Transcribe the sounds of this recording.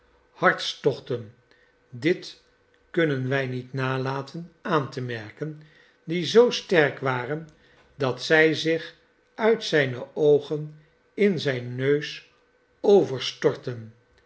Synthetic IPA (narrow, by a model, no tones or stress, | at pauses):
hɑɹtstɔχtən | dɪt | kɵnənʋɛjnitnaːlaːtənaːntəmɛɹkən | dizowstɛrkʋaːrən | dɑtsɛjzɪχ | œɥtsɛjnəowχən | ɪnzɛjnːøɥs | owvəɹstɔɹtən